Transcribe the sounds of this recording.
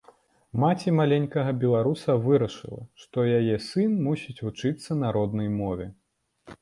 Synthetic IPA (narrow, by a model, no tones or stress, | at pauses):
mat͡sʲimalʲenʲkɐɣɐbʲɛlˠaɾusɐvɨɾɐʂɨ̰lˠɐ̰ʂt̪ɔjajɛsɨnmusʲit͡sʲvut͡ʂɨt̪sːɐnɐɾɔd̪nɐjmɔvʲɛ̰